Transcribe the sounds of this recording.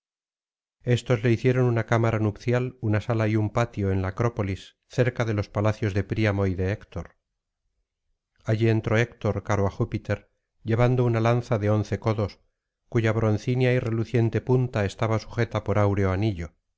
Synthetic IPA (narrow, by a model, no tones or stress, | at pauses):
e̞st̪o̞zle̞iθje̞ɾo̞nunakamaɾanupθjalunasalaiumpat̪jo̞e̞nlakɾo̞po̞lis | θe̞ɾkaðe̞lo̞spalaθjo̞zðe̞pɾiamo̞iðe̞ekt̪o̞ɾ | aʝie̞nt̪ɾo̞ekt̪o̞ɾkaɾoaxupit̪e̞ɾ | ʎe̞β̞and̪o̞unalanθaðe̞o̞nθe̞ko̞ðo̞s | kuʝaβ̞ɾo̞n̟θinjaire̞luθje̞nt̪e̞punt̪ae̞st̪aβasu̥xe̞t̪apo̞ɾawɾe̞o̞aniʎo̞